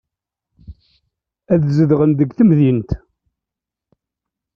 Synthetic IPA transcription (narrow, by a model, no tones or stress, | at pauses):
æðzəðʁənd̪əɡθəmðint̪